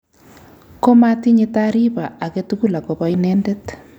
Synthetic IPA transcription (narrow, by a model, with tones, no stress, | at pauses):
ko˦ma˦ti˦ɲe˦ta˦ɾi˦ba˨a˨ke˦tuku˦˨la˨ko˨bɔ˦inɛː˦nde˦t